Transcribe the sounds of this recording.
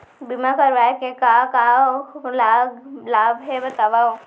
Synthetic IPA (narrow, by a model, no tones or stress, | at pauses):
bɪmakəɾʋaːekekakaːlaɡlaːbɦɛbɐt̪aːʋao